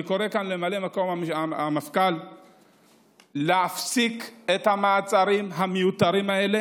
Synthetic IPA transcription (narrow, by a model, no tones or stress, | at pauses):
ko̞ʁe̞kanle̞malemako̞mamaamafkal | eafsiket̪hamaːt͡saʁimɦamejut̪aʁimae̞le̞